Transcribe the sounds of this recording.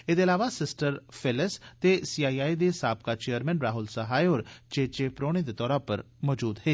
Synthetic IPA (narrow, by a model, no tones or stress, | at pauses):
ed̪eɐlaːʋasɪsʈəɾfʰɪlɪst̪esiːaːiːaːid̪esaːb̚kat͡ʃejəɾmɛ̃ːnɾaːɦʊlsaɦaːjoːɾt͡ʃeːt͡ʃeːpɾoːɽ̃ed̪et̪ɔːɾapəɾ | mɔːd͡ʒuːd̪ɦeː